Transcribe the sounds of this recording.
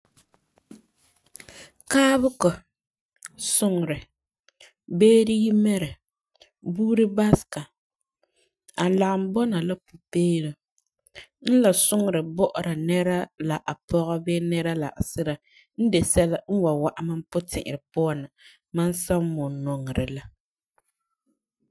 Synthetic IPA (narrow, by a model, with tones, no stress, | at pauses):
kaː˦bʊ˦kɔ˨ | sʊ˦ŋ˨ɾɪ˨ | beː˦ɾi˦ji˦mɛ˦ɾɛ˨ | buː˦ɾɨ˦ba˦ska˨ | a˨la˨ɣm̩˦bɔ˦na˨la˦pʊ˨peː˦ɾɨ˨ | n̩˦la˨sʊ˦ŋ˨ɾɨ˨bɔ˦ʔʊ˨ɾa˨nɛ˦ɾa˦la˨ʔa˨pɔ˦ɣɔ˦be˦nɛ˦ɾa˦la˨ʔa̰˨sɪ˦ɾa˨ | n̩˦dɛ˨sɛ˦la˦n̩˦wa˨wa˨ʔa˦ma˦m˦pʊ˦tɪ̰˨ʔɪ̰˨ɾɪ˨pʊ˦a˦na˨ | ma˦n˦sa˦m˦mʊ˨nɔ˨ŋ˨ɾɪ˨la˦